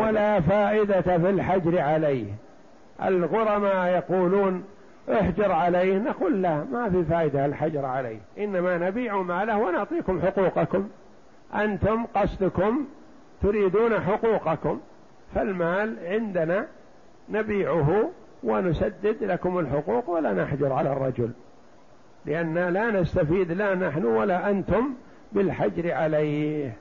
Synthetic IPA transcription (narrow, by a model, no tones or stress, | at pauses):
walaːfaːʔɪd̪afilħad͡ʒɾʕalejh | ʔa̰lɣʊɾˤɑmajɑquːluːn | ʔʊħd͡ʒɑɾˤʕalejhnaquːlːamafifaːʔɪd̪alħad͡ʒɑɾˤʕalḛjhʔɪnːamanabiːʕumaːlahwanʊʕt̪ˤiːkʊmħʊquːqɑkʊm | ʔant̪ʊmqɑsˤd̪ʊkʊm | t̪ʊɾiːd̪uːnaħʊquːqɑkʊm | falmaːlʕɪnd̪ana | nabiːʕʊɦʊ | wɪnʊsad̪ːɪd̪lakʊmɪlħʊquːqwalːanaħd͡ʒʊɾˤʕalarˤːɑd͡ʒʊl | lɪʔanːalanast̪afiːd̪lanaħnʊwalaʔant̪ʊm | bɪlħad͡ʒɾʕalajh